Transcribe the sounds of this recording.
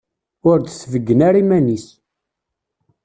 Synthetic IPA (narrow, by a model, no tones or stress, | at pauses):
ʊɾd̪səvəɡːənaɾimænis